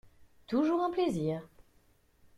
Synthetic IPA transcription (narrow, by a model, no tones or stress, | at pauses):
t̪uʒuʁɑ̃pleziːʁ